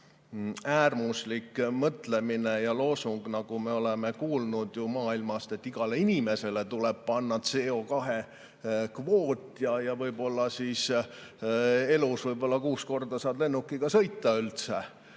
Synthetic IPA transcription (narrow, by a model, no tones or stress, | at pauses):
æːrmuslikmɤt̪le̞mine̞jɑlo̞ːsuŋɡ̥nɑɡ̥ume̞o̞leme̞kuːlnud̪̥jumɑːilmɑst̪et̪ːiɡ̥ɑle̞inime̞se̞le̞t̪uleb̥̚pɑnːɑt̪se̞ːo̞kɑɦe | kvo̞ːt̪ʲːˑjɑjɑvɤjbo̞lːɑsis | e̞lusvɤjbo̞lːɑkuːsko̞rd̪̥ɑsɑːb̥le̞nːukːˑiɡ̥ɑsɤjt̪ːɑylt̪sḛ